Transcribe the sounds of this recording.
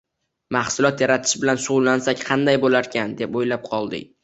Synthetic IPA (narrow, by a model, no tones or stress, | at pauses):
mɑhsʊlˠɒt̪jaɾat̪ʰɪ̥ʃbɪlanʃʊʁʊlˠːansakʲqʰɑnd̪ajbolaɾkʲʰand̪e̞pojlap̚qʰɒlˠd̪ɪ̰kʲ